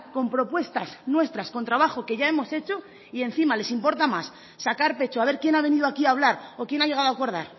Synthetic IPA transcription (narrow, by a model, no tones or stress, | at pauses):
ko̞mpɾo̞pwe̞st̪asnwe̞st̪ɾasko̞nt̪ɾaβ̞axo̞ke̞ʝae̞mo̞se̞t͡ʃo̞ | ie̞n̟θimale̞simpo̞ɾt̪amasː | akaɾpe̞t͡ʃoaβ̞e̞ɾkje̞naβe̞niðoakiaːβ̞laɾo̞kje̞naʎe̞ɣ̞aðoako̞ɾð̞aɾ